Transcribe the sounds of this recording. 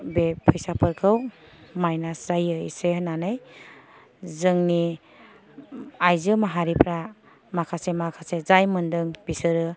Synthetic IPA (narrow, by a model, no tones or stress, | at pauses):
bepʰɯjsapʰɾkʰɯw | majnasɾajɯisenanɯj | zɯŋni | ajzɯmaɦaɾipʰɾa | makʰasemakʰasezajmɯndɯŋbisɯɾɯ